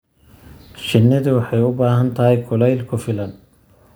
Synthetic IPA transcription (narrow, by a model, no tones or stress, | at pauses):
ʃɪnːɐðiwɑħɑjʊbaːɦɐnt̪ʰɐɦɛjkʰʊlɛjlkʰʊfɪlɐn